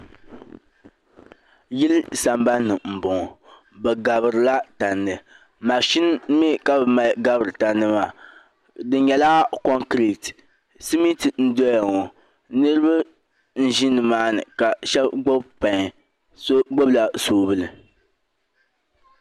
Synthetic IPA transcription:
ji˦lsa˨mba˦nːɨ˨m̩˨bɔ˨ŋɔ˨ | bɛ˨ɡa˨bɨ˨ɾɨ˨la˦ta˨nːɨ˨ | ma˨ʃi˦n˦me˦ka˦bma˨ɡa˨bɨ˨ɾɨ˨ta˨nːɨ˦ma˨ | dɨ˦ɲɛ˨laː˦ko˦ŋkɾi˨t | si˦mi˦ti˨n̩˦dɔ˦ja˨ŋɔ˨ | nɨ˦ɾɨ˦ba˦ | n̩˦ʒi˦nɨ˨maː˦nɨ˨ka˨ʃɛ˦bɡ͡bo˦bpa˨ŋ˨ | so˦ɡ͡bo˦bla˨soː˨bɨ˦lɨ˨

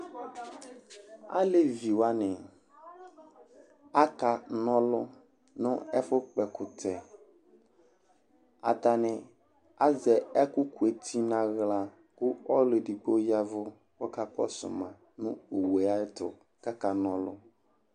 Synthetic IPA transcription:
a̰˦le˦vi˨wa˦nɪ̃˨ | a˦ka˨nɔ̃˦lʊ˦ | nʊ̃˦ɛ˦fʊ˦k͡pɛ˨kʰʊ˨tʰɛ˨ | a̰˨t̪a˨nɪ̃˨ | a˦zɛ˨ɛ˦kʊ˦ku˨e˨t̪ʰi˦nã˨ɣla˨ | kʊ˦ɔ˦le˨di˨ɡ͡bo˦ja˦vʊ˦ | wɔ˦ka˦k͡pɔ̰˦sʊ̰˨mã˨ | nʊ̃˦o˨we˨a˦ɪ˦tʊ˨ | ka˦ka˨nɔ̃˦lʊ̰˦

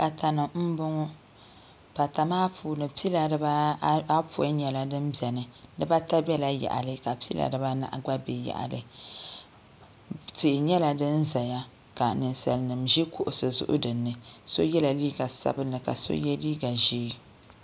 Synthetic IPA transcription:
ka˨ta˨nɨ˨mm̩˦bʊ˦ŋɔ˦ | pa˨ta˨maː˦pʰuː˨nɨ˨pi˦la˨dɨ˦ba˦a˦pu˦˨a˦ɲɛ˨la˦dɨ˦mbɛ˨nɨ˨nɨ˦ba˦ta˦bɛ˦la˦ja̰˨ʔa̰˨lɨ˦ka˨pi˦la̰˨dɨ˨ba˦na̰˦ʔɡ͡ba˦be˨ja̰˨ʔa̰˨lɨ˨ | tɪ˨ʔɪ˨ɲɛ˦la˨dɨ˦nza˨ja˦ | ka˨nɨ˨nsa˨lnɨ˨mʒi˦kʊ˦ʔʊ˨sɨ˨zʊ̰˦ʔʊ̰˦dɨ˨nːɨ˨so˦jɛ˦la˨liː˦ɡa˨sa̰˦bɨ˦nːɨ˨ka̰˨so̰˦jɛ˦liː˦ɡa˨ʒiː˦

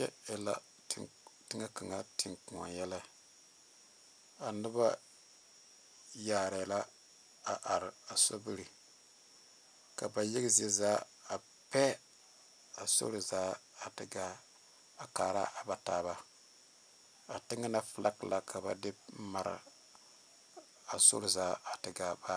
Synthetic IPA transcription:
ɛ˦˨la˦ | tɪ˦ŋa˦ka˨ŋa˦tɪ˨ŋku˨a̰˨jɛ˦la˦ | a˨nɨ˦ba˦ | jaː˨ɾɛː˨la˦ | a˨ʔa˨ɾɪ˨a˨so˦bi˦ɾi˨ | ka˨ba˨jɪ˦ɡze˦zaː˦ | a˨ | pɛ˦ | a˨so̰˦ɾzaː˦a˨tɪ˨ɡa˦ | a˨kaː˨ɾa̰˦a˨ba˨taː˦˨ba˦ | a˨tɪ˦ŋɨ˦na˦fla˦kla˨kʰa˨ba̰˨dɪ˦ma˨ɾa̰˨ | a˨so̰˦ɾzaː˦a˨tɨ˨ɡa˨ba˦

